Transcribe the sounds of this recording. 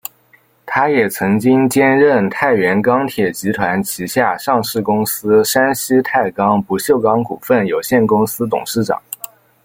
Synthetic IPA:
t̪ʰa˥jɛ˨˩t͡sʰɤ˧˥ŋt͡ɕi˥ŋt͡ɕjɛ˥nɻə˥˩nt̪ʰa˥˩ɪɥɛ˧˥nkɑ˥ŋt̪ʰjɛ˨˩t͡ɕi˧˥t̪ʰwa˧˥nt͡ɕʰi˧˥ɕja˥˧ʂɑ˥˧ŋʂɻ̩˥˩kʊ˥ŋsɹ̩˥ʂa˥nɕi˥t̪ʰa˥˩ɪkɑ˥ŋpu˧˥ɕjo˥˩ʊkɑ˥ŋkṵ˨˩fə˥˩njo˨˩ʊɕjɛ˥˩nkʊ˥ŋsɹ̩˥t̪ʊ̰˨˩ŋʂɻ̩˥˩ʈ͡ʂɑ̰˨˩˦

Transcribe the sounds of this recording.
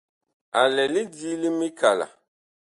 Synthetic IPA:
a˨lɛ˨lɪ˦diː˦li˦mi˦ka˨la̰˨

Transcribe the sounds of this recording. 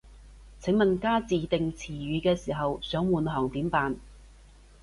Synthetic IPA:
t͡sʰɪ˨˥ŋmɐ˨nkaː˥t͡siː˨t̪ɪ˨ŋt͡sʰiː˨˩ɥyː˨˧kɛː˧siː˨˩ɦɐ˨wsœː˨˥ŋwuː˨nɦɔː˨˩ŋt̪iː˨˥mpaː˨n

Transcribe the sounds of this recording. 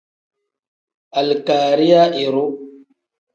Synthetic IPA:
a˨lkaː˨ɾi˦ja˦ʔi˨ɾu˦

